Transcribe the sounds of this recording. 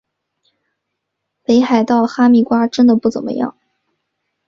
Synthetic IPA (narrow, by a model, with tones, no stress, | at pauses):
pe˧˥ɪxa˨˩ɪt̪ɑ˥˩ʊxa˥mi˥˩kwa˥ʈ͡ʂə˥nd̪ə˨pu˥˩t͡sə̰˨˩mə̰˦jɑ̰˥˩ŋ